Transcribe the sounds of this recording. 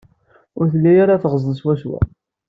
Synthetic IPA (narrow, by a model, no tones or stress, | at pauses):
ʊɾθəlːæjaɾaθʁəzˤənswæʃwæ̰